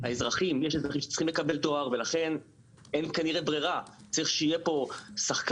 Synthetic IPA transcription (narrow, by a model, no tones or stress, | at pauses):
aezʁaχimjeʃezʁaχimʃe̥t͡s̪i̥χimle̞kabe̞lt̪o̞aʁvelaχe̞n | e̞nkaniʁebʁiʁat͡saʁiχʃeijepo̞saχk